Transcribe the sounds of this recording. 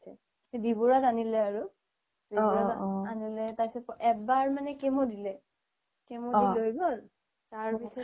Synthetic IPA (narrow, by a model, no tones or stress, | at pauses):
sɛ | edibuɹatanilɛaɹʊ | dibɹaanilɛtajsɛpʔɛbaɹmanɛkemodilɛ | kemoilojɡol | taɹpisɔ